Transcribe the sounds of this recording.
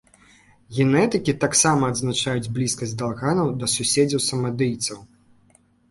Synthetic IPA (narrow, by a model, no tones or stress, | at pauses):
ɣʲɛnɛt̪ɨkʲit̪aksamɐːd̪znat͡ʂajud͡zʲblʲiskɐsʲd̪alˠɣanɐwd̪ɐsusʲed͡zʲɐwsɐmɐd̪ɨjt̪sɐw